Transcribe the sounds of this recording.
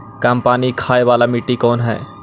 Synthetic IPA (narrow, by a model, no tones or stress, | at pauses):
kaːmpaːnikʰaːeʋaːlamɪʈːikɔːnɦɛ̰ː